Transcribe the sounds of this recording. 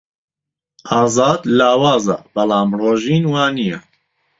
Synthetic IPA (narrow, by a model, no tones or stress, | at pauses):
ʔɑːzɑːd̪laːwaːzɐ̰bɐlaːmroːʒiːnwaːnijɛ